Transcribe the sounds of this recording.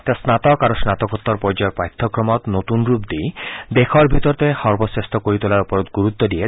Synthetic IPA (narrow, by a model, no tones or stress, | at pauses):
t̪asnat̪ɔkaɾosnat̪ɔkɔt̪ːɔɾpɔɾd͡ʒɔɾpɾajt̪ʰːɔkɾɔmɔt̪not̪unɾupd̪id̪ekʰɔɾbʱit̪ɔɾt̪ehɔɾbɔsest̪ɔkoɾit̪ulaɾɔpɔɾɔt̪ɡuɾut̪ːɔd̪ije